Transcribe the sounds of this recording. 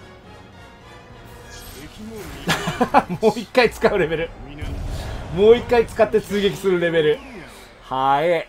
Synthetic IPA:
moːikːait͡sɨ̥kaɯ̟ɾe̞be̞ɾɯ̟ | mo̞ːikːait͡sɨ̥kat̪ːe̞t͡sɨːɡʲe̞k̬ʲi̥sɨɾɯ̟ɾe̞be̞ɾɯ̟ | hae

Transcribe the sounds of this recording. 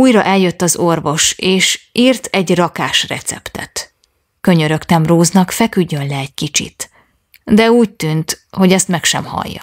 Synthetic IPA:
uːjɾɒʔɛljø̞t̪ːɒzorvo̞ʃeːʃiːrt̪ʰɛɟrɒkaːʃrɛ̰t̪sɛ̰pt̪ɛ̰t̪ | kø̞ɲøɾø̞kt̪ɛmroːznɒkfɛkyɟːø̞nlɛːc̚kit͡ʃḭt̪ | d̪ɛuːc̚t̪yːnt̪ho̞ɟɛst̪mɛkʃɛmhɒ̰jːɒ̰

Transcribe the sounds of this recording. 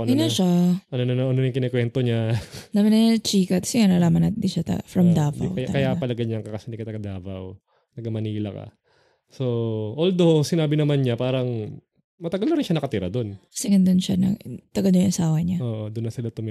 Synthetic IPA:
nnaʃaʔɐnonɐnoʔɐnojʊŋkɪnɛkwɛnt̪oɲanɐmɪnɐt͡ʃiːkɐkɐ̥sɛŋɐnɐlaːmɐnɐt̪d̪ɪnʃat̪ɐ̰fɾɐmd̪aːvɐ̰wwɐa̰kɐjapɐlɐɡɐɲaŋkɐkɐsɐnɪkɐt̪ɐɡɐd̪aːvɐ̰w | nɐɡɐmɐniːlɐ̰kɐ̰ | so̞ʔold̪osɪnaːbɪnɐmanɲapaːɾɐŋ | mɐt̪ɐɡɐlnɐɾɪnʃanɐkɐt̪ɪɾad̪o̞nkɐ̥sɛŋɐnd̪onʃanɐ̰t̪ɐɡɐlnojʊŋʔɐsaːwɐɲaʔoːʔod̪ʊnːɐsɪlat̪ʊm

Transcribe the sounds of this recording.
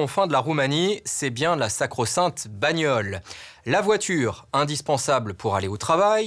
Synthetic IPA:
ɑ̃fɛ̃d̪əlaʁumanisɛbjɛ̃lasakχɔsɛ̃t̪baɲjɔlːavwat̪ʰyʁɛ̃d̪ispɑ̃sabləpuʁaleot̪χavaj

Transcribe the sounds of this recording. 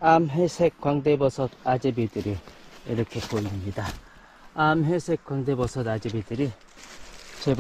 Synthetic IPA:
amɦesʰek͈ːwaŋdebʌsʰʌd̪ad͡ʑebidɯɾiiɾʌkʰepoimɲida | amɦesʰekːwaŋdebʌsʰʌd̪ad͡ʑebidɯɾi | t͡ɕeb

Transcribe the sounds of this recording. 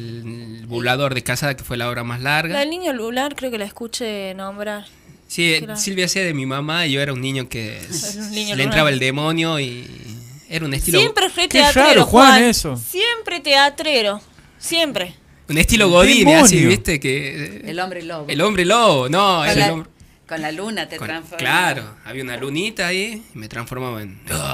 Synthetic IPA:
lβulað̞o̞ɾðekasaðakefwelaoβɾamaslaɾɣaelnĩɲolulaɾkɾeokelaeskut͡ʃenõmbɾaɾ | sisilβjaseðemimamaiʝo̞eɾaunːĩɲokḛ | ɲlent̪ɾaβaeld̪emo̞njoi | eɾaunest̪iloempɾeretkeatɾaeɾooxwanesosjempɾet̪eat̪ɾeɾo | sjempɾe | unest̪iloɣoðineasiβist̪ekeelombɾeloɣelo̞mbɾeloɣonoeɾelomɾ | konlalunat̪ekoklaɾo̰a̰βiaunalunit̪aːiime̞t̪ɾansfo̞ɾmaβaḛn

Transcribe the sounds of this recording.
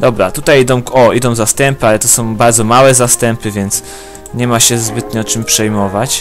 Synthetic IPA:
d̪ɔbɾa̰t̪ut̪ajid̪ɔ̃w̃kɔʔid̪ɔ̃w̃zast̪ɛmpɘalɛt̪ɔsɔ̃w̃baɾd̪zɔmawɛzast̪ɛmpɘvʲjɛnt̪s | ɲɛmaɕɛzbɘt̪ɲɛt͡ʂɘmpʂɛjmɔvat͡ɕ

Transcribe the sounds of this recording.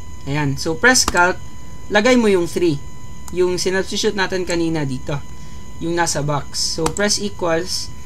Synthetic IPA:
ʔɐjansowpɹɛskɐlt̪̚ | lɐɡajmojʊŋθɾi | jʊŋsɪnɐbsuʃʊt̪naːt̪ɪnkɐniːnɐd̪iːt̪o̞ | jʊŋnaːsɐbak̚sːowpɹɛsʔiːkwɐls

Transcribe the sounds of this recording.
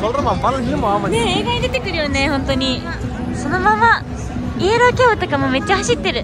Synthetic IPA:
sɔlɾɐmapɐɾiɾɯmamaneeːɡaɲʲid̪et̪e̞kɯɾɯ̟jone̞hõ̞nt̪oɲ̟i | so̞no̞mama | iːɾoːkʲeːot̪okamo̞me̞t͡ɕːahaɕit̪ːe̞ɾɯ̟

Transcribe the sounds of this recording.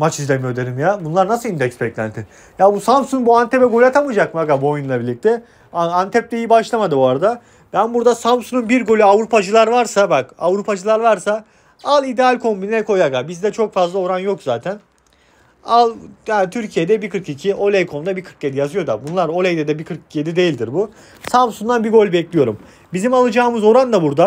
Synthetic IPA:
mat͡ʃʰizlʲemijo̞d̪eɾimjabunlˠaɾnasɯlˠind̪ɛcsbɛclʲæ̰nt̪ʰi | jaːbusampsunbuant̪ʰɛpɛɡo̞lʲyat̪ʰamɯd͡ʒak̚maɡabuojunlˠabilɾlʲic̚t̪ʰɛ | aant̪ʰɛp̚t̪ɛijibaʃlˠamad̪ɯoaɾad̪a | b̥ænbuɾd̪asampsununbiɾɡo̞lʲyavɾupʰad͡ʒɯlˠaɾvaɾsabakavɾupʰad͡ʒɯlˠaɾvaɾsa | alˠid̪ealʲkʰo̞mbininɛkʰo̞jaɡabizd̪ɛt͡ʃʰo̞kfazlˠao̞ɾanjo̞kz̥aːt̪ʰæn | alˠjant̪ʰyɾcʰijed̪ɛbikʰɯɾkicʰiʔo̞lʲejkʰo̞md̪abikʰɯɾked̪ijazɯjo̞d̪abunlˠaɾo̞lʲejd̪ɛd̪ɛbikʰɯɾki̥je̞d̪id̪e̞jilʲd̪iɾbu | sampsund̪anbiɡo̞lʲbɛclʲijo̞ɾum | bizimalˠɯd͡ʒaːmɯzo̞ɾand̪abuɾd̪a

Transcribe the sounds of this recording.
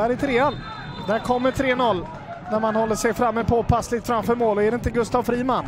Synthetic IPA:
æɾɪt̪ʰɾeːan | d̪æɾkʰɔmːəʈʰɾeːnɔlː | næɾmanhɔlːəʂɛjfɾamːəpʰɔpʰaslɪt̪fɾamfœːɾmoːlɔɛɾɛɪnt̪əɡɵst̪avfɾiːman

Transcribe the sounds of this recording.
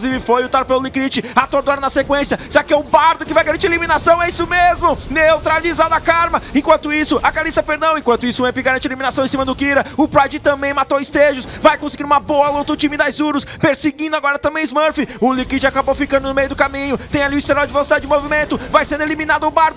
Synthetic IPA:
kluzivɪfojʊt̪aɾpelʊlikɾit͡ʃɪat̪oɾd̪aɾɐnɐsekwẽsjɐsɪɾakɪɛʊbaɾd̪ʊkɪvajɡaɾɐ̃t͡ʃiɾelimĩnasɐ̃w̃ɛisʊmezmʊnewt̪ɾalizad̪ɐkaɾmɐẽkwɐ̃nt̪ʊisʊʔɐkalisɐpeɾd̪ɐ̃w̃ẽkwɐ̃nt̪ʊisʊ̃ɛ̃pɪɡaɾɐ̃t͡ʃielimĩnasɐ̃w̃ẽsimɐd̪ʊkiɾɐʊpɾajd͡ʒɪt̪ɐ̃mbẽj̃mat̪owɪst̪eʒʊsvajkõsɪɡiɾũmɐboɐlɐowt̪ɾʊt͡ʃĩmɪd̪ajzuɾʊspeɾsɪɡĩd̪ʊaɡɔɾɐt̪ɐ̃mbẽj̃ɪzmɐɾfiʊlikɾit͡ʃɪakabowfikɐ̃nd̪ʊnʊmejʊd̪ʊkamĩɲʊt̪ẽj̃aliʊɪst̪eɾawd͡ʒɪvelsid̪ad͡ʒɪd͡ʒɪmovimẽnt̪ʊvajsẽnd̪elimĩnad̪ʊʊbaɾd̪ʊ

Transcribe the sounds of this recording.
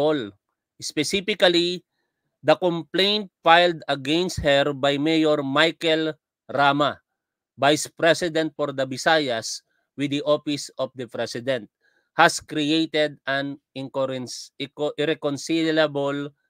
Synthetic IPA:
ol | ʔɪspɛsifɪkɐli | d̪ɐkomplẽjnt̪̚fajld̪ɐɡɛ̃nst̪̚hɛɹbajmejoɹmajkɛl | ɾama | bajspɾɛsɪd̪ɛ̃nt̪̚fɔɾd̪ɐbɪsajɐs | wɪd̪iʔofɪsɔfd̪ɐpɾɛsɪd̪ɛ̃nt̪̚ | haskɾiejt̪ɛd̪̚ʔɐnɪ̃ŋko | ʔɪɾɛkonsillabol

